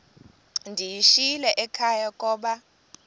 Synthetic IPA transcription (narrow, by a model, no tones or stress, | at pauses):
ndʱijiʃilɛʔɛkʰajakʼɔːɓa